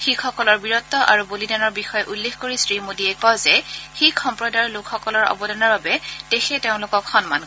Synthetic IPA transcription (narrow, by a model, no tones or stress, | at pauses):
xikʰɔkɔlɔɹbiɹɔtːɔʔa̰ɹubolidanɔɹbixɔjɛʔulːexkoɹisɹimodiɛkɔzɛxikʰxɔmpɹɔdaɹlʊkʰxɔkɔlɔɹɔ̰bɔdɔnɔɹbabɛd̥exɛteʊ̃lʊkɔkxɔnman